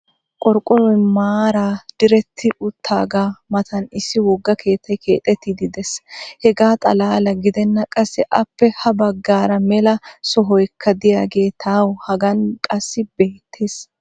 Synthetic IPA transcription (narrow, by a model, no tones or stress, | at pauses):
kʼɔɾkʼːɔɾɔjmaːɾaːd̪̥ɪɾɛt̪ʰːɪʔʊt̪ʰːa̰ːɡaːmɐt̪ɐnɪsːɪwɔɡːɐkʰe̞ːt̪ʰːɐjkʰe̞ːt̪ʼːɛt̪ːɪd̪ɪd̪ɛshɛɡaːt̪ʼɐ̰laːlɐɡɪd̪ɛnːɐkʼɐsːɛʔɐpːɛhɐbɐɡːaːɾɐmɛlɐsɔɦɔjkʰːɐd̪ɪjaːɡe̞ːt̪ʰaːwhɐɡɐnkʼɐsːɪbe̞ːt̪ʰːe̞ːs